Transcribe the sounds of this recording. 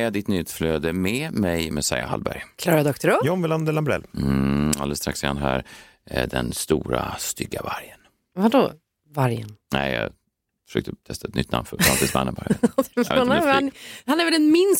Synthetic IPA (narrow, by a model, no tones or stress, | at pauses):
jad̪ɪt̪nʏt̪fløːd̪əmɛmɛjmɛsajahalbæɾjkʰlɑːɾad̪ɔkt̪əɾɔjɔmvɪland̪ɛlambɾɛ̰l | aləst̪ɾaksɪanɦæːɾ | d̪ɛnst̪uːɾast̪ʏɡːavaɾjən | vad̪ɔ | vaɾjə̰nnæɪjɑ | fəʂøːk̚t̪ət̪ʰɛst̪aɛt̪nʏt̪na̰mfœɾffant̪iːsmanːəbaɾd̪ɛonanhanɛɾvɛld̪ɛnmɪns